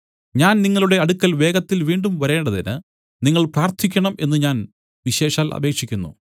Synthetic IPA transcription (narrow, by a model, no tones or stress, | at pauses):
ɲaːnniŋːɐɭuɽe̞ɐɽukːɐlʋe̞ːɡɐt̪ːilʋiːɳɖumʋɐɾe̞ːɳɖɐðinɨ | niŋːɐɭpraːrt̪ʰikʲːɐɳɐme̞nːɨɲaːn | ʋiɕe̞ːʂaːlʔɐ̰be̞ːkʂikʲːunːṵ